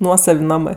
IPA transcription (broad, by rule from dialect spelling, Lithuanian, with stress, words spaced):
ˈnuɔsɐw ˈnɑːmɜ